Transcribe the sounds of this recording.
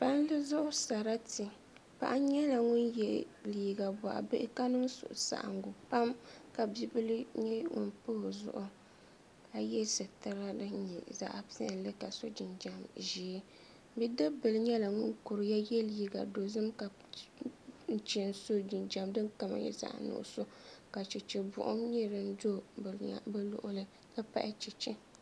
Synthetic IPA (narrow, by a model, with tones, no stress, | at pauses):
pa˦n˦lɨ˦zʊ˦ʔʊ˦sa˨ɾa˦ti˨ | pa̰˨ʔa˦ɲɛ˦la˨ŋʊ˦njɛ˦liː˨ɡa˨ba˨ʔa̰˨bɨ˦ʔɪ˦ka˦nɨ˦ŋsʊ̰˨ʔʊ˨sa̰˨ʔa̰˨ŋ˦ɡʊ˨pa˦mka˨bi˦bɨ˦lɨ˦ɲɛ˦ŋʊ̰˨npɨ˦hzʊ̰˦ʔʊ˦ | a˨jɛ˦sɨ˨tɨ˦ɾa˦dɨ˦ɲɛ̰˨za̰˦ʔa̰˨pi˦a̰˨n˦lɨ˦ka˨so˦d͡ʒi˨nd͡ʒa˨mʒi˨ɛ˦ | bi˦dɨ˦bɨ˨lɨ˦ɲɛ˦la˨ŋʊ˦nku˨ɾɨ˨ja˦jɛ˦lji˦ɡa˨do˨zɨ˦mka˨ | n̩˦t͡ʃnso˦d͡ʒi˨nd͡ʒa˨mdɨ˦nka˨ma̰˨jɛ̰˦za̰˨ʔnʊ̰˨ʔʊ̰˨so˦ka˨t͡ʃɛ˨t͡ʃɛ˨bʊ̰˨ʔʊ˦ɲɛ˦ɾɨ˦n˦do˦b̰bɨ˦lʊ̰˦ʔʊ˦lɨ˦ | lɨ˦pa̰˦ʔɪ˦t͡ʃɛ˨t͡ʃɛ˦